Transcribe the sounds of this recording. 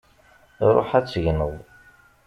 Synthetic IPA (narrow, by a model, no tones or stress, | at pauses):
ɾˤo̰ħæt͡sːəʝnəðˤ